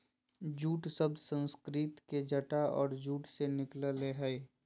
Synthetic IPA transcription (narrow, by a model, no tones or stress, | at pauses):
d͡ʒuːʈsəbd̪sə̃nskɾɪt̪ked͡ʒəʈaɔ̰ːɾd͡ʒuːʈsenɪkləleɦəj